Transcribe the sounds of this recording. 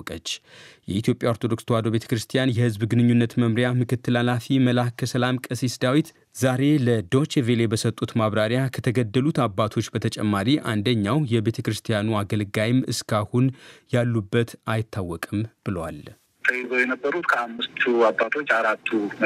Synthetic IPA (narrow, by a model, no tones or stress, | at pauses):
kʼət͡ʃːjɛ̰it̪ʰijo̞pʼjaoɾt̪ʰod̪o̞kst̪ʰəwad̪oβe̞t̪ʰə̥kɾɨst̪ʰijanjɛhɨzbɡɨnɨɲːunːət̪məmɾjamɨkɨt̪ːɨlalafiməlahkʰəsəlamkʼəsisd̪awit̪ | zaɾe̞ləd̪o̞t͡ʃevele̞bəsət̪ʼːut̪maβɾaɾjakʰət̪ʰəɡəd̪ːəlut̪abːat̪ʰo̞t͡ʃːbət̪ʰət͡ʃʼɛ̰mːaɾiʔa̰nd̪əɲːawjɛbe̞t̪ʰəkɾɨst̪ʰijanuaɡəlɡajɪmɨskʰahunjalːubːət̪ajɪt̪ʰːawːɔkʼɨmb̥ɨləwa̰l | t̪ʰəhezojɛnəbːəɾut̪kʰəamːɨst̪ʰuabːat̪ʰo̞t͡ʃːaɾat̪ʰːu